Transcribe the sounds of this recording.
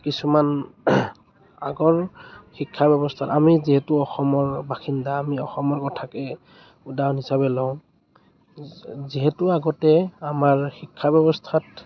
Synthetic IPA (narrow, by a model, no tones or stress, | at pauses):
kisuman | aɡɔɹxikʰːabɛbɔstʰatamiziɦɛtʊɔxɔmɔɹbaxindaːmiɔxɔmɔɹkɔtʰakɛ | udawnisaβɛlɔʊ̃ | ziɦɛtʊaɡɔtɛamaɹxikʰːabɛbɔstʰat